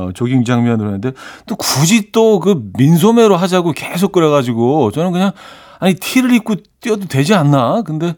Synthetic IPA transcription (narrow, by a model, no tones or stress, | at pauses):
t͡ɕoɡiŋd͡ʑaŋmjʌnɯɾɦenɯnde̞t͈okud͡ʑit͈okɯmins̬ʰome̞ɾoɦad͡ʑaɡokes̬ʰok͈ɯɾeɣad͡ʑiɡot͡ɕʌnɯnkɯɲaŋ | aɲitʰiɾɯɾik͈ot͈iʌdotwe̞d͡ʑianːakɯnde̞